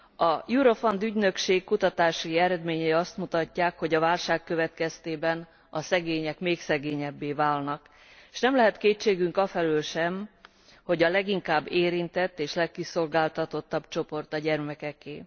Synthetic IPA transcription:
ɒjuɾo̞fond̪yɟnø̞kʃeːkkut̪ɒt̪aːʃiiɛɾɛd̪meːɲɛːjɒst̪mut̪ɒcːaːkho̞ɟɒvaːlʃaːkːø̞vɛt̪kɛst̪eːbɛn | ɒsɛɡeːɲɛkmeːksɛɡeːɲɛbːeːvaːlnɒk | ʃnɛmlɛɦɛt̪keːt͡ʃːeːɡyŋkɒfɛløːlʃɛm | ho̞ɟɒlɛɡiŋkaːbːeːɾint̪ɛt̪ːeːʃlɛkːiso̞lɡaːlt̪ɒt̪o̞t̪ːɒbt͡ʃo̞po̞rt̪ɒɟɛrmɛkɛkeː

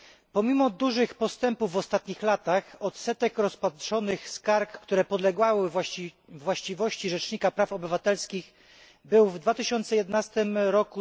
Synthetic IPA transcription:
pɔmʲimɔd̪uʐɘxpɔst̪ɛmpuvːɔst̪at̪ɲixlat̪axɔt̪sɛt̪ɛkɾɔspat̪ʂɔnɘxskaɾkːt̪uɾɛpɔd̪lɛɡwawɘ | vːwaɕt͡ɕivɔɕt͡ɕiʐɛt͡ʂɲikapɾafɔbɘvat̪ɛlskʲix | bɘwvd̪vat̪ɘɕɔnt̪sɛjɛd̪ɛnast̪ɘmɾɔku

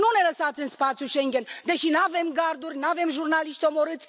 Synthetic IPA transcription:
nunɛləsɑt͡sɛnspɑt͡sʰuʃɛŋɡʲɛnd̪ɛʃinavɛmɡɑɾd̪uɾnavɛmʒuɾnɑliʃt̪ɔmɔɾɨt͡sʰ

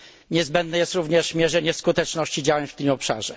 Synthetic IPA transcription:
ɲɛzbɛnd̪nɛjɛst̪ɾuvɲɛʂmʲjɛʐɛɲɛskut̪ɛt͡ʂnɔɕt͡ɕid͡ʑawaft̪ɘmɔpʂa̰ʐɛ

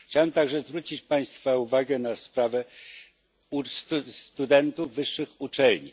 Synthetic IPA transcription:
xt͡ɕawɛmt̪aɡʐɛzvɾut͡ɕit͡ɕpaj̃st̪fauvaɡɛnaspɾavɛ | usst̪ud̪ɛnt̪uvvɘʂːɘxut͡ʂɛlɲḭ

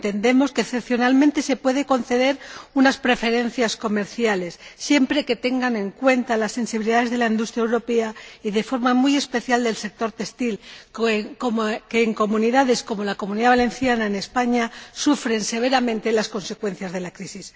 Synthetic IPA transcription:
nt̪e̞nd̪e̞mo̞skeːθepθjo̞nalmẽnt̪e̞se̞pwe̞ðeko̞nθe̞ðe̞ɾunaspɾe̞fe̞ɾe̞nθjasko̞me̞ɾθjale̞sːje̞mpɾe̞ke̞t̪e̞ŋɡanẽ̞ŋkwe̞nt̪alasːe̞nsiβiliðaðe̞zðe̞laind̪ust̪ɾjɛewɾo̞pe̞aiðe̞fo̞ɾmamuje̞spe̞θjald̪e̞lse̞k̚t̪o̞ɾt̪e̞st̪il | okeːŋko̞mũniðaðe̞sko̞mo̞lako̞mũniðaβale̞nθjanaene̞spaɲasufɾe̞nse̞β̞e̞ɾamẽ̞nt̪e̞lasko̞nse̞kwe̞n̟θjazðe̞lakɾisis

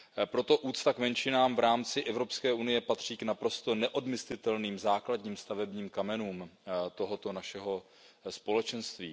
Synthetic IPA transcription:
pɾo̞t̪o̞ʔuːt̪st̪akmɛnt͡ʃɪnaːmvɾaːmt͡sɪʔɛvɾo̞pskɛːʔunɪjɛpat̪r̝̥iːknapɾo̞st̪o̞nɛʔo̞dmɪslɪt̪ɛlniːmzaːkladɲiːmst̪avɛbɲiːmkamɛnuːmt̪o̞ɦo̞t̪o̞naʃɛɦo̞ | spo̞lɛt͡ʃɛnst̪vḭː

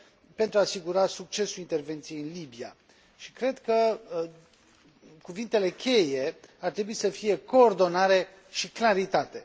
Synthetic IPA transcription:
pe̞nt̪ɾuaːsiɡuɾasuk̚t͡ʃe̞sulint̪e̞rve̞nt̪sije̞jɨnlibia̰ | ʃikɾe̞d̪kə | kuvint̪e̞le̞kʲʰe̞jeart̪ɾe̞buisəfije̞ko̞ːrd̪o̞naɾe̞ | ʃiklaɾit̪at̪e̞

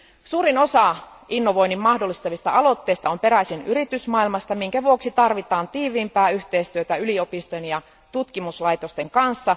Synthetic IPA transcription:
suːɾino̞sɑ | inːo̞ʋo̞jnimmɑhdo̞lːˑist̪ɑʋist̪ɑɑlo̞t̪ːeːst̪ɑompe̞ɾæsinyɾit̪ysmɑːilmɑst̪ɑmiŋkæʋuoksit̪ɑrʋit̪ɑːnt̪iːʋiːmpæːyht̪eist̪yøt̪æyliopist̪ojenjɑ | t̪ut̪kimuslɑjt̪ost̪eŋkɑnsːɑ

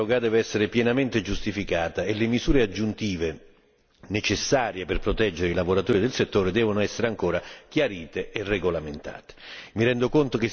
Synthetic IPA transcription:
oɡad̪ɛːveɛsːeɾepjɛnament̪ed͡ʒust̪ifikaːt̪aelemizuːɾead͡ʒːunt̪iːve | net͡ʃesːaːɾjeperpɾot̪ɛd͡ʒːeɾeilavoɾat̪ɔːɾid̪elset̪ːoːɾed̪ɛːvonoɛsːeɾeaŋkoːɾak̟jaɾiːt̪eʔerːeɡolament̪a̰ːt̪e̥miɾɛnd̪okont̪ok̟ɪ

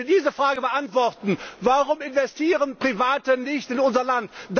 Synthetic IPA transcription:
ɐdiːzəfʁ̥aːɡəbəʔantv̥ɔʁtn̩vaʁʊmɪnvɛstʰiːʁənpʁ̥ivaːtənɪçtɪnʊnzɐlantd̥

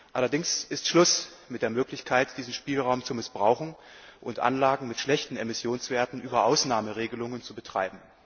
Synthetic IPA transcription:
ʔalɐdɪŋsʔɪstʃlʊsmɪtd̥eːɐmøːklɪçkʰaɪtd̥iːzn̩ʃpiːlʁaʊmt͡sumɪsb̥ʁaʊxn̩ | ʔʊntʔa̰nlaːɡŋ̩mɪtʃlɛçtn̩emɪsjoːnsv̥eːɐtn̩ʔyːbɐʔaʊsnaːməʁeːɡəlʊŋənt͡subətʁ̥a̰ɪbm̩

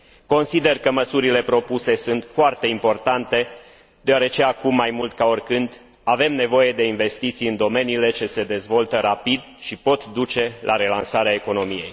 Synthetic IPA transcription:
ko̞nsid̪e̞rkəməsuɾile̞pɾo̞puse̞sunt̪foart̪e̞impo̞rt̪ant̪e̞ | d̪̥eoaɾe̞t͡ʃe̞akumːajmult̪kao̞rʲkɨnd̪ | ave̞mne̞vo̞je̞d̪e̞inve̞st̪it̪sijɨnd̪o̞me̞niːle̞t͡ʃe̞se̞d̪e̞zvo̞lt̪əɾapid̪ʃipo̞t̪d̪ut͡ʃe̞lʔa̰ɾe̞lansaɾeaeko̞no̞mije̞̰j

